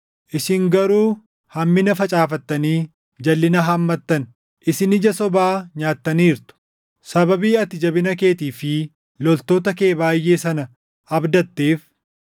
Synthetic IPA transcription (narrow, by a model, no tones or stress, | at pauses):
ʔɪsɪŋɡɐɾuː | hɐmːɪnɐfɐt͡ʃʼaːfɐt̪ːɐniː | d͡ʒɐlːɪnɐɦɐmːɐt̪ːɐn | ʔɪsɪnɪd͡ʒɐsɔbaːɲaːt̪ːɐniːɾt̪ʊ̥ | sɐbɐbiːɐt̪ːɪd͡ʒɐbɪnɐke̞ːt̪iːfɪ | lɔlt̪o̞ːt̪ɐke̞ːbaːjːe̞ːsɐnɐ | ɐbd̪ɐt̪ːeːf